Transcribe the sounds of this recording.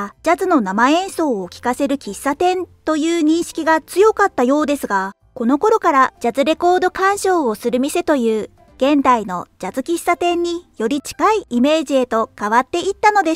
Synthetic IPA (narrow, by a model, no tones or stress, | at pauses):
d͡ʑazɨno̞namaẽ̞ɰ̃so̞ːkʲi̥kase̞ɾɯ̟kʲisːat̪ẽ̞nt̪o̞jɯ̟ːɲ̟ĩɰ̃ɕi̥kʲiɡat͡sɨjo̞kat̪ːajo̞ːd̪e̞sɨɡa | ko̞no̞ko̞ɾo̞kaɾad͡ʑazɨɾe̞ko̞ːd̪o̞kãɰ̃ɕo̞ːosɨɾɯ̟mʲise̞t̪o̞jɯ̟ː | ɡ̥ẽ̞nd̪aino̞d͡ʑazɨkʲisːat̪ẽ̞ɲ̟ːijo̞ɾʲit͡ɕi̥kaiime̞ːʑie̞t̪o̞kaβat̪ːe̞it̪ːano̞d̪e̞